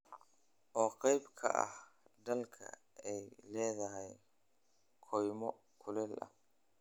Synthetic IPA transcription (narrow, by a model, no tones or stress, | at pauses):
ʔɔːqɑjbkʰɐ̰ʔɐ̰hd̪ɐlkʰɐ̰ | ɛjlɛːðɐɦɛj | kʰɔjmɔ | kʰʊlɛlɐ̰